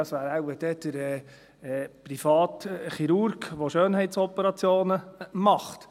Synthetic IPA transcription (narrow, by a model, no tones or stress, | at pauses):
ɑsʋæːɾæwəd̥ɛd̪̥əɾɛː | pɾifɑːt̪χiɾuɾɡʋoʃøːnhɛɪt̪sɔpəɾɑt͡sjoːnəmɑχt̪